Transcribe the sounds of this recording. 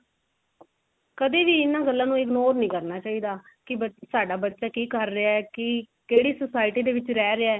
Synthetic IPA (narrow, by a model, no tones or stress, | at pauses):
kəd̪iːʋiːɪnãːɡəlːãːnũːɪɡnoːɾnĩːkəɾnaːt͡ʃaːiːd̪aː | kɪbəsaːɖaːbətːʃaːkiːkəɾːɪaɛːkɪ | keːɽiːsəsaːɪʈiːd̪eːʋɪt͡ʃɾɛːɾeaɛː